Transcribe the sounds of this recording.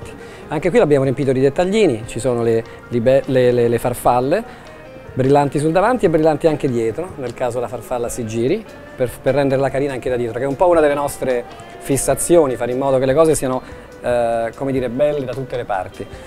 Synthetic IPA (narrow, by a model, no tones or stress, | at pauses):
t̪i̥ | aŋkekwilabjaːmoɾempit̪od̪id̪et̪ːaʎːiːnit͡ʃisoːnole | libɛlelelefarfalːe | bɾilːant̪is̬uld̪avant̪iebːɾilːant̪iaŋk̟ed̪jɛːt̪ɾonelkaːzod̪elafarfalːasid͡ʒiːɾi | perperːɛnd̪eɾelakaɾiːnaaŋked̪ad̪jɛːt̪ɾokɛumpɔunad̪elːenɔst̪ɾe | fisːat̪sːjoːnifaːɾeimːɔːd̪okelekɔːzesiːano | komed̪iːɾebɛlːed̪at̪ut̪ːelepa̰rt̪i